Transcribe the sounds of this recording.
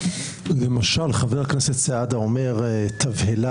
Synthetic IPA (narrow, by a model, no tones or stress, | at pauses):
lemaʃalχaveʁakneset̪sead̪aome̞ʁt̪ʰavhela